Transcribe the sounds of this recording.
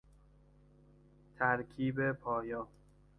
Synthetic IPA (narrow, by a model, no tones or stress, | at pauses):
t̪ʰæɾkʰiːbepʰɒːjɒː